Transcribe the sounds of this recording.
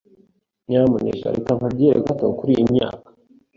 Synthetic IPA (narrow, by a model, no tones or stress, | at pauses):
ɲamaɲḛʃa̰ɾekamkabɟiɾeɡataokuɾiːmɲa̰ːkḁ